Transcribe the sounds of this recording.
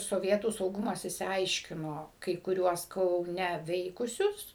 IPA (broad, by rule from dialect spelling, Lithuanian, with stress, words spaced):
soːˈʋʲiɛtuː sɐʊˈɡʊmɐs ɪʃʲsʲɪˈɐɪʃʲkʲɪnoː kɐɪ kʊˈrʲuɔs kɐʊˈnʲɛ ˈʋʲɛɪkʊsʲʊs